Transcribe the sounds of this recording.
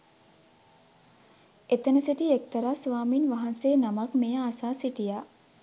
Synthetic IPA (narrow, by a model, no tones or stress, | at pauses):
et̪ənəsiʈiek̚t̪əɾaːsʋaːminʋaɦanseːnamakmejaːsaːsiʈijaː